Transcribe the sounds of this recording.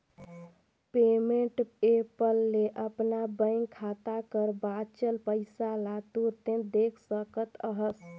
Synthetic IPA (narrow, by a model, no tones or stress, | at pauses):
pemeɳʈepəlːeʔəpnabəɪŋɡkʰat̪akəɾbat͡ʃəlpəɪsalat̪uɾt̪ẽd̪ekʰsəkət̪əɦəs